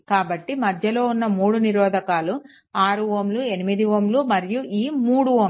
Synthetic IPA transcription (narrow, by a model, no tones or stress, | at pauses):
kaːbɐʈːimɐd̪ʱjɐlo̞ːunːɐmuːɽuniɾɔːd̪ʱɐkaːlu | aːɾuʋoːmluenimid̪iʋoːmlumɐɾijuʔiːmuːɽuʋom